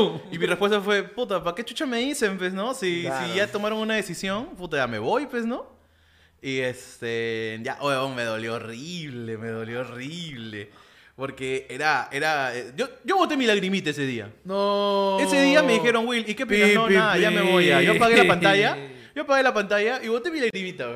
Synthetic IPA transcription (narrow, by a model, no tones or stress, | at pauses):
imirespwe̞s̬t̪afwe̞put̪apake̞t͡ʃut͡ʃame̞ðise̞mpwesno̞sisiʝat̪o̞maɾo̞ŋunaðe̞sisjo̞nput̪aʝame̞βo̞jpwesno̞ | iest̪eʝa̰ʔoeβoŋme̞ðo̞ljo̞ːriβlemeðo̞ljo̞oriβlḛ | po̞ɾkeeɾaeɾaeɟ͡ʝo̞ɟ͡ʝo̞βo̞t̪emilaɣɾimit̪aes̬e̞ðia̰noe̞seðiame̞ðixe̞ɾo̞ŋwilike̞p̬ianoaaʝameβojaʝo̞paɣelapant̪aʝa | ʝo̞paɣe̞lapant̪aʝaʔiβo̞t̪emilaɣɾimit̪a